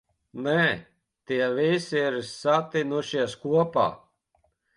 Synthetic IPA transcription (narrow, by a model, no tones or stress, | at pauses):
nɛ | t̪iɛvejsiɛɾisːat̪inuʃiskuɔpa̰ː